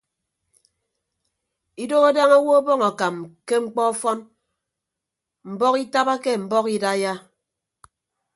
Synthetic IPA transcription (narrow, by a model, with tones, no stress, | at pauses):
i˦do˦ɣa˦da˦ŋa˦wo˦ɔ˦bɔ˦ŋa˨ka˨mke˦ŋ͡m̩˦k͡pɔ˦fɔ˦n | m̩˨bɔ˦ki˦ta˦ba˦ke˦m̩˨bɔ˦ki˦da˦ja˦